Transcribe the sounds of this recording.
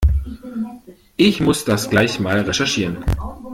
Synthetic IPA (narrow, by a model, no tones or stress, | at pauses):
ʔɪçmʊsd̥asɡ̥laɪçmaːlʁɛʃɛɐʃiːʁən